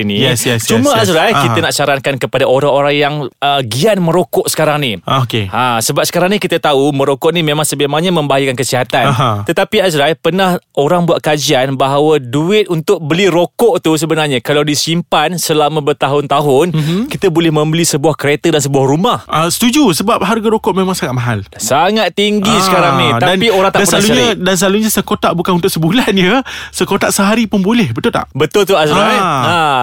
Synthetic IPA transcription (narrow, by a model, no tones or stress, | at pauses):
inijsjɛst͡ʃumãasɾakik̪anaʔʃaɾankankəpadaʔoɾaŋoɾaŋjaŋəɡianmə̃ɾokɔʔsə̥kaɾaŋniokeasəbap̚sə̥kaɾaŋnikit̪at̪aumə̃ɾokɔʔnimẽmaŋsəmemaŋɲamə̃mbaajəkankəsiɦat̪anɦt̪ət̪apiazɾapənahoɾaŋbuat̪ʔ̪̚kad͡ʒianbaɦawəduɪt̪̚unt̪ʊk̚bəliɾokɔʔt̪us̬əbənarɲakalawdisimpansəlamə̃bət̪aɦʊnt̪aɦʊnkit̪əbolɛhmə̃mbəlisəbuahkəɾet̪ədansəbuahrumahʔasə̥t̪ud͡ʒusəbap̚ɦarɡaɾokɔʔmẽmãŋsaŋat̪̚maɦalsaŋat̪̚ːiŋɡisəkaɾaŋnid̪adanioɾaŋt̪aanspaluɲadansəlaluɲasəkot̪aʔbukanunt̪ʊʔsəbulanjəsəkot̪aʔsəɦaɾipənbulɛhbət̪ʊlt̪a̰ʔbət̪ʊlt̪̬uasɾaja